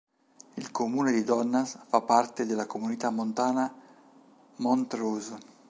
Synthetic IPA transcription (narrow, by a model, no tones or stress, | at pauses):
ilkʰomuːned̪id̪ɔnːasfapːart̪ed̪elːakomunit̪amːont̪aːna | mont̪ɾuz